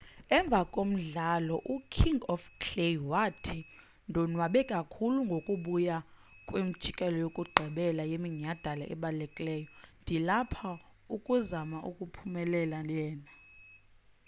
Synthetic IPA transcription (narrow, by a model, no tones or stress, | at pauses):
ɛɱb̪vʱakʼom̩ɮalɔʔukʰiŋɡɔfkʰlewatʰi | ndʱɔnwaɓɛkʼakʰuluŋɡʱokʼuɓuja | kʼwim̩d̥t͡ʃʼikʼɛlɔjokʼuɡ͡ǃʱɛɓɛlajemiɲad̥ʱala̰ʔɛ̰ɓalɛkʼilɛːjɔndʱilapʰa | ukʼuzamaʔukʼupʰumɛlɛlalɛːna